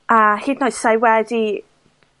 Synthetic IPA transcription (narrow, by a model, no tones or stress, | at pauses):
ahiːdnɔɨsajwɛdi